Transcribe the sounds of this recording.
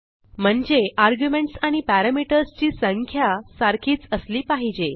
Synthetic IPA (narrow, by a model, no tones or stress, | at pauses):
m̤əɳd͡zeʔaɾɡjumeɳʈsaɽ̃ipæɾamiʈəɾst͡ɕiːsəŋkʰjasaɾkʰiːt͡səsliːpaɦid͡ʑe